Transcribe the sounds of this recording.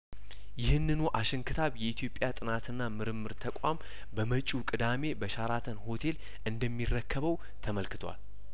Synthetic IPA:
jɪhɨnːɨnuʔaʃɪŋkʰɨt̪ʰaβjɛit̪ʰjo̞pʼːjat̪ʼɨnat̪ʰɨnːamɨɾɨmːɨɾt̪ʰəkʷʼam | bəmət͡ʃʼukʼɨd̪ame̞bəʃaɾat̪ʰənho̞t̪ʰe̞l | ʔɨnd̪əmːirːəkʰːəβəw | t̪ʰəməlkɨt̪ʰwa̰l

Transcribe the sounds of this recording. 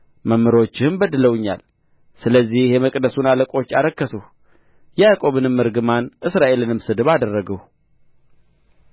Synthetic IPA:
məmːɨɾo̞t͡ʃːɪhɨmbəd̪ɨləwɨɲːa̰l | sɨləzːihjɛməkʼd̪əsunaləkʼo̞t͡ʃːaɾəkːəsəh | jɛjakʼo̞βɨnɨmːɨɾɡɨmanʔɨsɾaʔe̞lɨnɨmsɨd̪ɨβad̪ərːəɡəh

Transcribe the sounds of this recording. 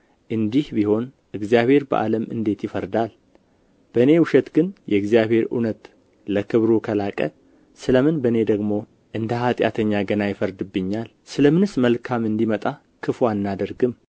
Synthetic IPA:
ʔɨnd̪ihbiho̞n | ʔɨɡzjaβe̞ɾbə̰ʔa̰ləmɨ̰nd̪e̞t̪jɪfəɾd̪al | b̥əne̞wʊʃɛt̪ɡɨnjɛɨɡzijaβhe̞ɾṵnət̪ | ləkʰɨβɾukʰəlakʼə̰ | sɨləmɨnbəne̞d̪əɡmo̞ | ʔɨnd̪əhat̪ʼja̰t̪ʰəɲːaɡənajɪfəɾd̪ɨbːɨɲːal | sɨləmɨnɨsməlkʰamɨnd̪imət̪ʼa | kʰɨfwanːad̪əɾɡɨm

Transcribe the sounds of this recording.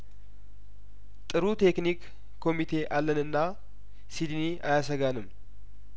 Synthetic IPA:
t̪ʼɨɾut̪ʰe̞knik | kʰːo̞mit̪ʰe̞ʔalːənɨnːa | sid̪niʔajasəɡanɨm

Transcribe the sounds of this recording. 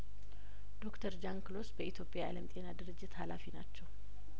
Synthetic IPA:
d̪̥o̞kt̪ʰəɾd͡ʒaŋkɨlo̞sbəʔit̪ʰjo̞pʼjaa̰ləmt̪ʼe̞nad̪ɨɾɨd͡ʒːɪt̪halafinat͡ʃːɛw

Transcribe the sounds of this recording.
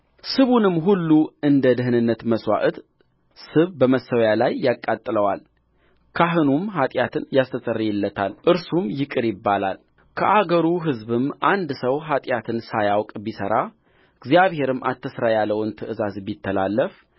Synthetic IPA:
sɨβunɨmːɦulːuɨnd̪əd̪əɦɨnɨnːət̪məswa̰ʔɨt̪ | sɨβbəməsːəwjalajːakʼːat̪ʼːɨləwa̰l | kʰaɦɨnumhat̪ʼjat̪ʰɨnjast̪ʰət̪ʼərːijɪlːət̪ʰalʔɨɾsumjɪkʼɨɾjɪbːala̰l | kʰəʔaɡəɾuɦɨzbɨmʔand̪səwɦat̪ʼjat̪ʰɨnsajawkʼbisəɾa | ɨɡzijaβhe̞ɾɨmːʔat̪ʰːəsɾajalːəwnt̪ʰɨʔɨzazbit̪ʰːəlalːəf

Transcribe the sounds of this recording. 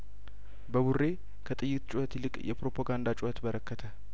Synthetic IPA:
bəβurːe̞ | kʰət̪ʼɨjːɨt̪t͡ʃʼuhət̪lɨkʼjɛpɾopʰaɡand̪at͡ʃʼuhət̪bəɾəkʰːət̪ʰə

